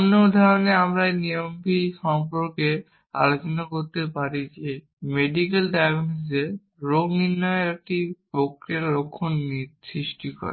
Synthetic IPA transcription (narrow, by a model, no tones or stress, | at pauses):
onːod̪ʱaɾoneamɾajnijombiʃɔŋpoɾke | a̰lot͡ɕonakoɾt̪epaɾid͡ʑe | meɖikelɖajɡnose | ɾoɡniɾnːɔjoɾek̚ʈipɾokɾieɾlokʰːonisɾiʃʈikɔ̰ɾḛ